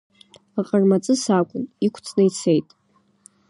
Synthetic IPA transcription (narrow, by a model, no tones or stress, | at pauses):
aqʼərmat͡sʼɨsakʷʼʊnikʷʰt͡sʰʼnɨjt͡sʰe̞jtʼ